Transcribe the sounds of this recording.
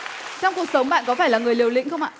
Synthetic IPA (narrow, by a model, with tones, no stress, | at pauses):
t͡ɕɔ˧wŋ͡mku˨˩ək̚sə˨˦wŋ͡mɓa̰ː˧˨nkɔ˨˦faː˧˩jlaː˨˩ŋɨ˨˩əjli˨˩əwlḭ˧˥ŋ̟xə˧wŋ͡ma̰ː˧˨